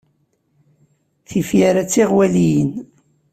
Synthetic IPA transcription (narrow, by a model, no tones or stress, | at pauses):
θifjaɾat͡sːiʁwælijən